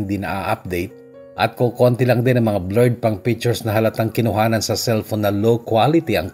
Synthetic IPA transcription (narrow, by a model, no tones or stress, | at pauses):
ŋd̪inɐ̰ʔa̰ʔap̚d̪ejt̪̚ | ʔɐt̪̚kokont̪ɪlɐŋd̪ɪnɐŋmɐŋablɛɹd̪̚pɐŋpit͡ʃɛɹsnɐɦɐlɐt̪aŋkɪnʊɦaːnɐnsɐsɛlfonːɐlokwalɪt̪iʔɐ̰ŋ